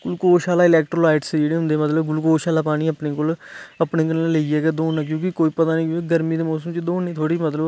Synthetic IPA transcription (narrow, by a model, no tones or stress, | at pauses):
ɡʊlkoːʃaːlaːɪlɛːk̚ʈɾoːlaːɪʈsd͡ʒeːɽeːʊnd̪eːmət̪ləbɡʊlkoːʃaːlaːpaːɽ̃iːəpneːkoːləpneːkənːləiːɛːɡɛːd̪oːnãːk̬jõːkɪkoːiːpət̪aːnĩːkːeɡəɾmiːd̪eːmɔːsəmt͡ʃd̪oːniːt̪ʰoːɽiːmət̪ləb